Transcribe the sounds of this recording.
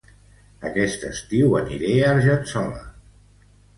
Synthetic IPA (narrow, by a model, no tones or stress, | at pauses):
əkɛst̪əst̪iwəniɾeaɾʒənsɔlə̰